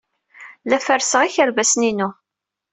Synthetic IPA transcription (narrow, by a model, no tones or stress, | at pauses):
læfəɾsəʁiçəɾvæsninu